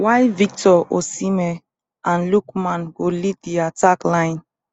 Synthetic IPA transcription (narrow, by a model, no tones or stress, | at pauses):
wajvik̚tɔosimɛ | ãnlukmãnɡolidiataklãɪ̃n